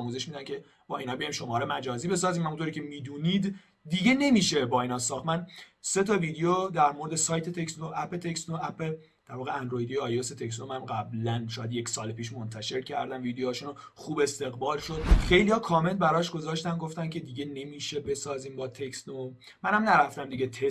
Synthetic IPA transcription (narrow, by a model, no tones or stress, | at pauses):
muːze̞ʃmid̪æncʰe | b̥ɒːinɒːbejɒjmʃo̞mɒːɾemæd͡ʒɒːziːbe̞sɒːziːmhæmunt̪oɾiːcʰemiːd̪uːnid̪ː | iɟe̞ne̞miːʃe̞bɒːiːnɒsɒːxt̪mæn | se̞t̪ʰɒviːd̪ejod̪æɾmo̞ɾd̪esɒːjt̪ʰet̪ʰeksd̪oʔæpʰet̪ʰekst̪oæpe | d̥̪æɾvɒːɣeænd̪ɾoid̪ijeɒjoset̪ʰe̞kst̪omænmɡæblænʃɒːjæd̪je̞csɒːlepʰiːʃmont̪ʰæʃe̞ɾcʰæɾd̪ænviːd̪eɒːʃuno | χuːbe̞st̪e̞ɣbɒːlʃo̞d̪̚xe̞jlihɒːkʰɒːme̞lbæɾɒːʃɡ̥o̞zɒːʃt̪ænɡo̞ft̪æncʰe̞d̪iɟe̞ne̞miːʃe̞be̞sɒːziːmbɒːt̪ʰekst̪o | mænhæmnæɾæft̪æmd̪iɟet̪ʰe